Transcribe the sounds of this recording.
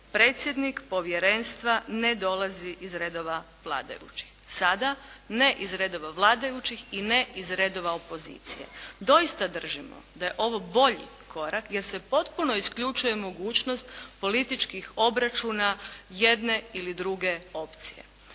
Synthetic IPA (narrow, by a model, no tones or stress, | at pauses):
pɾe̞ːt̪sʲje̞d̪nikpo̞ʋjeɾe̞nst̪ʋane̞d̪o̞lˠaziʔizɾe̞d̪o̞ʋa | ʋlˠa̰ːd̪a̰jṵt͡ɕi̥xsad̪ane̞ʔizɾed̪o̞ʋaʋlˠaːd̪ajut͡ʃixineizɾe̞d̪o̞ʋaopo̞zḭːt̪sḭje̞̰d̪o̞ist̪ad̪r̩ʒimo̞̰d̪aje̞ʔo̞ʋo̞bo̞ʎḭ | kʰo̞ɾakje̞ɾse̞po̞t̪puno̞iskʎut͡ʃuje̞mo̞ɡuːt͡ɕno̞st̪po̞lit̪it͡ʃkixo̞bɾat͡ʃunaje̞d̪ne̞ilid̪ɾuɡe̞o̞pt̪sije̞̰